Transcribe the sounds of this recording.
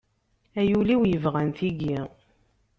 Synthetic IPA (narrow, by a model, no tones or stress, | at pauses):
æjuliwjəvʁænθiɡi